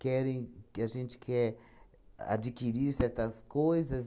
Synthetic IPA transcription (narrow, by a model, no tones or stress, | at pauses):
kɛɾẽj̃kɪaʒẽnt͡ʃ̪ɪ̥kʰɛɾ | a̰d͡ʒikiɾiɾsɛɾt̪ɐskojzɐz